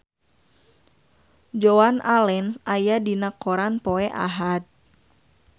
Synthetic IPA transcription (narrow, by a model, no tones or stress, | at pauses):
d͡ʒoanalɛnsʔajadinakoɾanpoɛʔa̰ɦad̪̚